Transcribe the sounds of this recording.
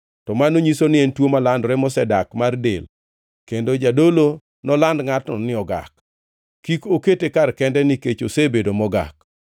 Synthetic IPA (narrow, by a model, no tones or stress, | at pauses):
tɔmanoɲisonɪɛntwomalandɾɛmɔsɛdakmardḛl | kendod͡ʒadolo | nɔlandŋatnɔnɪɔɡa̰k | kːikoketekarkɛndɛniket͡ʃosebedomɔɡa̰k̚